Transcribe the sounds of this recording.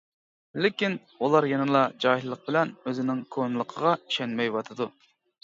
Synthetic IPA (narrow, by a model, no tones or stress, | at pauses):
lɪkʲin | ulˠɑɾjenɨlˠɑd͡ʒɑːɦillːəq̚bɪlɛnøzɪnɪŋkʰonɨlˠəqʰəʁɑi̥ʃɛnmɛjwɑt̪ʰɨd̪u